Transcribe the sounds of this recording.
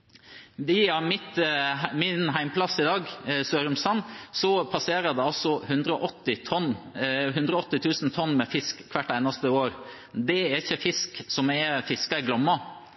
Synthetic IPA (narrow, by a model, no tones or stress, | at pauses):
ʋiɑmɪt̪mɪnɦæɪmpʰlɑsɪd̪ɑːɡsøːɾʉmsɑnːsɔpʰɑseːɾəd̪ɛɑlsɔhʉnd̪ɾəɔʔɔt̪ːɪt̪ʰɔnhʉnd̪ɾəɔt̪ːɪt̪ʰʉːsn̩t̪ʰɔnːmɛfɪskːʰʋæʈːæɪnɑst̪əoːɾ | d̪ɛæɾɪçːəfɪsksɔmɛɾfɪskɑɪɡlɔmːɑ